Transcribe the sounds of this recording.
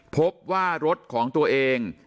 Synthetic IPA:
pʰo˦˥p̚waː˥˩ɾo˦˥t̪̚kʰɔː˩˦ŋt̪u˧ɐʔeː˧ŋ

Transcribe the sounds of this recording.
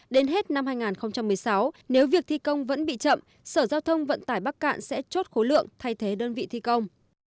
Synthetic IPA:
ɗe˨˦nɦe˦˥t̚na˧mɦaː˧jŋaː˨˩nxə˧wŋ͡mt͡ɕa˧mːɨ˨˩əjsa˨˦wne˨˦wvi˨˩ək̚t̪ʰi˧kə˧wŋ͡mvə̰˧˥nɓḭ˧˨t͡ɕə̰˧˨m | səː˧˩zaː˧wt̪ʰə˧wŋ͡mvə̰˧˨nt̪aː˧˩jɓaː˦˥k̚ka̰ː˧˨nsɛ̰˧˥t͡ɕo˦˥t̚xo˨˦lɨ̰˧˨əŋt̪ʰa˧jt̪ʰe˨˦ɗəː˧nvḭ˧˨t̪ʰi˧kə˧wŋ͡m

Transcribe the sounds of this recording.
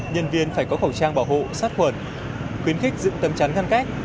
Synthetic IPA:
ɲə˧nvi˧ənfaː˧˩jkɔ˨˦xə˧˩wt͡ɕaː˧ŋɓaː˧˩wɦo̰˧˨saː˦˥t̚xwə˧˩n | xwi˨˦ənxï˦˥k̚zɨ̰˧˥ŋt̪ə˨˦mt͡ɕa˨˦nŋa˧nka˦˥k̚

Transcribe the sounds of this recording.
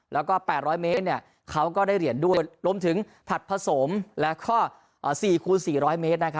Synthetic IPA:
lɛː˦˥wkɔː˥˩pɛː˨˩t̪̚ɾɔː˦˥jmeː˦˥t̪̚ni˥˩ | kʰa˦˥wkɔː˥˩daː˥˩jɾi˨˩əndu˥˩ə˩əjɾu˧əmt̪ʰɯ˨˩˦ŋ | t̪ʰa˨˩t̪̚pʰa˧so˩˦mlɛ˦˥kʰɔː˥˩ | ʔːsiː˨˩kʰuː˧nsiː˨˩ɾɔː˦˥jme˦˥t̪̚na˦˥kʰa˦˥

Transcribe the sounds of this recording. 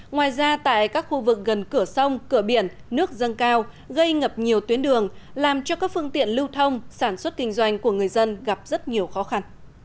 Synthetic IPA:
ŋwaː˨˩jzaː˧t̪a̰ː˧˨jkaː˦˥k̚xu˧vɨ˨˩k̚ɣə˨˩nkɨ˧˩əsə˧wŋ͡mkɨ˧˩əɓi˧˩ənːɨ˦˥ək̚zə˧nkaː˧w | ɣə˧jŋə˨˩p̚ɲi˨˩əwt̪wi˨˦ənɗɨ˨˩əŋlaː˨˩mt͡ɕɔ˧kaː˦˥k̚fɨ˧əŋt̪ḭ˧˨ənlɨ˧wt̪ʰə˧wŋ͡msaː˧˩nswə˦˥t̚kï˧ŋ̟zwa˧jŋ̟ku˧˩əŋɨ˨˩əjzə˧nɣa˨˩p̚zə˦˥t̚ɲi˨˩əwxɔ˨˦xa˧n

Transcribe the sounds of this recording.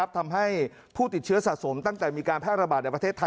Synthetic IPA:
p̚t̪ʰa˧mɦa˥˩j | pʰuː˥˩t̪i˨˩t̪̚t͡ɕʰɯ˦˥ɐsa˨t̪̚so˩˦mt̪a˥˩ŋt̪ɛː˨˩miː˧kaː˧npʰɛː˥˩ɾa˧baː˨˩t̪̚n˧˨˩pɾa˧t̪ʰeː˥˩t̪ʰːa˧

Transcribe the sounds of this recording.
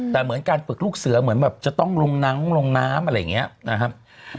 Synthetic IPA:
t̪ɛː˨˩mɯ˩˦ənkaː˧nfɯ˨˩k̚luː˥˩k̚sɯ˩˦ɐmɯ˩˦ənbɛː˨˩p̚t͡ɕa˨˩t̪ɔ˥˩ŋlo˧ŋna˦˥mlo˧ŋnaː˦˥mʔa˧ɾa˧ja̰ː˨˩ŋːi˦˥ɐna˦˥kʰa˦˥p̚

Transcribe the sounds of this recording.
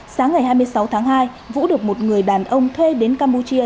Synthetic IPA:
saː˨˦ŋːa˨˩jɦaː˧jm˧əjsa˨˦wt̪ʰaː˨˦ŋɦaː˧j | vṵ˧˥ɗɨ˨˩ək̚mo˨˩t̚ŋɨ˨˩əjɗaː˨˩nʔə˧wŋ͡mt̪ʰwe˧ɗe˨˦nkaː˧mpu˧t͡ɕi˧ə

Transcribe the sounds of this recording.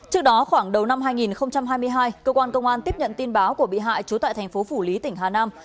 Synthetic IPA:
t͡ɕɨ˦˥ək̚ɗɔ˨˦xwaː˧˩ŋɗə˨˩wna˧mɦaː˧jŋi˨˩nxə˧wŋ͡mt͡ɕa˧mɦaː˧jmɨ˧əjɦaː˧jkəː˧kwaː˧nkə˧wŋ͡mʔaː˧nt̪i˦˥əp̚ɲə̰˧˨nt̪i˧nɓaː˨˦wku˧˩əɓḭ˧˨ɦa̰ː˧˨jt͡ɕu˨˦t̪a̰ː˧˨t̪ʰa˨˩ŋ̟fo˨˦fu˧˩li˨˦t̪ï˧˩ŋ̟ɦaː˨˩naː˧m

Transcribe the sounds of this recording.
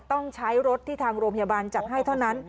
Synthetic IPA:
t̪ɔ˥˩ŋt͡ɕʰa˦˥jɾo˦˥t̪ʰːiː˥˩t̪ʰaː˧ŋɾoː˧mpʰa˧jaː˧baː˧nt͡ɕa˨˩t̪̚ha˥˩jt̪ʰa˥˩wna˦˥n

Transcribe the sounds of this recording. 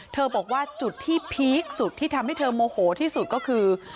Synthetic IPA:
t̪ʰɤː˧bɔː˨˩k̚waː˥˩t͡ɕu˨˩t̪ʰːiː˥˩pʰi˦˥k̚su˨˩t̪ʰːiː˥˩t̪ʰa˧mha˥˩jt̪ʰɤː˧moː˧hoː˩˦t̪ʰiː˥˩su˨˩kɔː˥˩kʰɯː˧

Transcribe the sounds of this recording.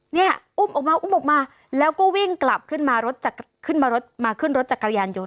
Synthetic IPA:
ni˥˩ɐʔu˥˩mʔɔː˨˩k̚maː˧ʔu˧˥˩mʔɔː˨˩k̚maː˧ | lɛː˦˥wkɔː˥˩wi˥˩ŋkla˨˩p̚kʰɯ˥˩nmaː˧ɾo˦˥t̪̚t͡ɕaː˨˩k | kʰɯ˥˩nmaː˧ɾo˦˥t̪̚maː˧kʰɯ˥˩nɾo˦˥t̪̚t͡ɕa˨˩kːa˧ɾjaː˧njo˧n

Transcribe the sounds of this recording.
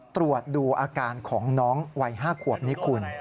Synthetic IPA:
t̪ɾu˨˩ət̪̚duː˧ʔaː˧kaː˧nkʰɔː˩˦ŋnɔː˦˥ŋwa˧jɦaː˥˩kʰu˨˩əp̚ni˦˥kʰu˧n

